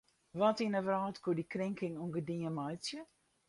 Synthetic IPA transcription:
ʋɔtinəvrɔːtkudikrɪŋkɪŋuŋɡədiəmɔjt͡sjə

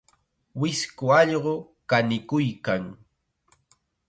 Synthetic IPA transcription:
wɪskʊɑʎɢo | kanɪkʊjkaŋ

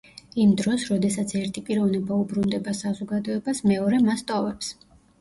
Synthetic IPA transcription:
imd̪ɾɔsɾɔd̪ɛsat̪sʰɛɾt̪ʰipʼiɾɔvnɛbaubɾund̪ɛbasazɔɡad̪ɔɛbasmɛɔɾɛmast̪ʼɔvɛps

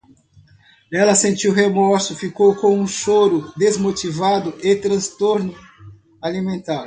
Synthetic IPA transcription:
ɛlɐsẽnt͡ʃiwɦemɔɾsʊfikowkõũʃoɾʊd̪ezmot͡ʃivad̪ʊɪt̪ɾɐ̃st̪oɾnʊ | alimẽnt̪aɾ

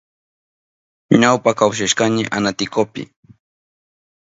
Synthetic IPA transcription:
ɲawpakawʃaʃkaɲɪʔa̰nat̪ɪkopɪ̰

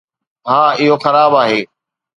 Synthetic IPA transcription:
ɦãːɪɦoxɐɾaːbaːɦeː

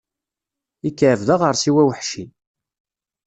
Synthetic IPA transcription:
ikːʕvðəʁəɾˤsiwæwəħʃi

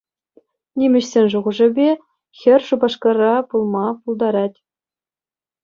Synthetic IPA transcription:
nʲimʲɘ̆ɕsʲenʲʐuʁŭʐɘ̆bʲe | xʲɘ̆rʲʂubɑʂkɑrɑpulˠmɑpulˠd̪ɑɾɑtʲ

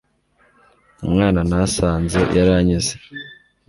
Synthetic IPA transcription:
umŋaːnanasaːnze̞jʔaɾaɲize

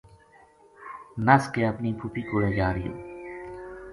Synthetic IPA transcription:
nɐskeɐpnipʰupikoɾẽjaːɾijṵ

